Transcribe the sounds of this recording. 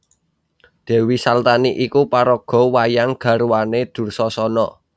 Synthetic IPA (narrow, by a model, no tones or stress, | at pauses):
d̪̥ɛ̤wisalt̪aniʔikupaɾɔɡ̥ɔ̤wajaŋɡ̥a̤ɾuwaned̪̥ṳrsɔsɔnɔ